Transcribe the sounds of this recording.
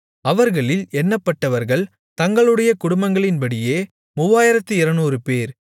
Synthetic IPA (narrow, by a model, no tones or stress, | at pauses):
ɐʋɐɾɣɐɭɪlɛnːɐpːɐʈːɐʋɐɾɣɐɭ | t̪ɐŋɡɐɭɯɽɐjɐkʊɽʊmbɐŋɡɐɭɪnpɐɽɪjeː | mʊʋaːjɪɾɐt̪ːɯɪɾɐnuːrɯpeːɾ